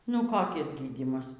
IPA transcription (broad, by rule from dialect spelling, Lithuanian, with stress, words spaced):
ˈnʊ koːˈkʲɪs ˈɡʲiːdʲiːmɐs